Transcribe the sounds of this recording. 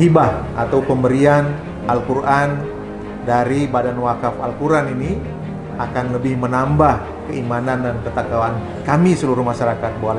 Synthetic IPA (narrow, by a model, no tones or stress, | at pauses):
ibahʔat̪awpəmbəɾian | ʔalkuɾʔan | daɾibadanwakafalkuɾanini | akanləbɪhmənambah | kəimanandankət̪akawan | kamisəluɾuhmaʃaɾakat̪̚bual